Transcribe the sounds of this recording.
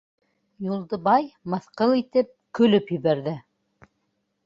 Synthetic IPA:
julˠd̪ɤ̆bɑjmɤ̆θqɤlˠit̪ɘp̚kɵ̆lɵpjɵ̆βæɾðɘ

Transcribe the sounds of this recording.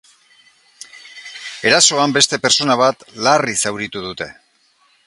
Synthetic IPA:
e̞ɾaso̞ambe̞st̪e̞pe̞ɾt͡so̞naβ̞at̪larisawɾit̪uð̞ut̪e̞

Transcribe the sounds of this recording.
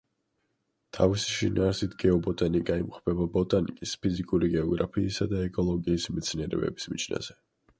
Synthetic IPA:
t̪ʰavisi̥ʃinʔaːɾsit̪ʰɡɛɔbɔt̪ʼaniɡʼaimqʼɔpʰɛbabɔt̪ʼanḭkʼispʰizikʼuɾiɡɛɔɡɾapʰiːsad̪aɛkʼɔlˠɔɡiːsmɛt̪sʰniɛɾɛ̰bɛ̰bismit͡ʃʰna̰z̥ɛ

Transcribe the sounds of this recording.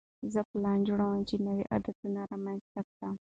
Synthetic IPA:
zəplɑnd͡ʒuɽawamt͡ʃinəwiʔa̰d̪at̪unaɾɑmanzt̪ak̚t̪am

